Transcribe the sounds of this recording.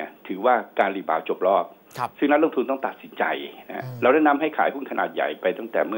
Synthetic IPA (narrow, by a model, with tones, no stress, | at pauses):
t̪ʰɯː˩˦waː˥˩kaː˧nɾiː˧˩baː˨˩w̚t͡ɕo˨˩p̚lɔː˥˩p̚ | sɯ˥˩ŋna˦˥loː˥˩ŋt̪ʰnt̪ɔ˥˩ŋt̪a˨˩t̪̚si˩˦nt͡ɕa̰˧jn˦ɾa˧wɾaː˥˩jna˦˧˥mɦa˥˩jkʰaː˩˦jʰu˥˩˨nkʰna̰ː˨˩t̪̚ja̰˨˩jpa˧jt̪a˥˩ŋt̪ɛː˨˩mɯ˥˩